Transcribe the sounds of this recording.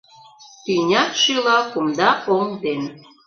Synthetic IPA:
t̪inʲɑt̪ʃilˠɑkumd̪ɑoŋd̪en

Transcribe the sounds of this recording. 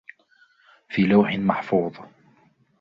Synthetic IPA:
fiːlawħɪnmaħfuːðˤ

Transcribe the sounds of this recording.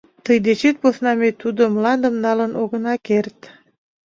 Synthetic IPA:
t̪əjd̪et͡ɕet̪̚posnɑmet̪ud̪omlɑnd̪əmnɑlənʔoɣə̆nɑkert̪

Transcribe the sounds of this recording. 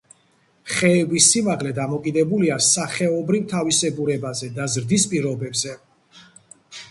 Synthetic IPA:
χɛːbisːimaʁlɛd̪amɔkʼid̪ɛbuliasaχɛɔbɾivt̪ʰavisɛɡuɾɛbazɛd̪azɾd̪ispʼiɾɔbɛbzɛ

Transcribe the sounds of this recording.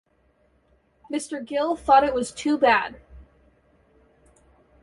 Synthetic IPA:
mɪstə˞ɡɪlˠθɔɾɨʔ̚wʌz̥tʰʉbæd̥̚

